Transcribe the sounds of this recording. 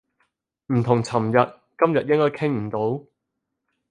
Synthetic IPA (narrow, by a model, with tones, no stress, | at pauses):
m̩˨˩t̪ʰʊ˨˩ŋt͡sʰɐ˨˩mjɐ˨t̚ | kɐ˥mjɐ˨t̚jɪ˥ŋkɔː˥jkʰɪ˥ŋm̩˨˩t̪o˨˥w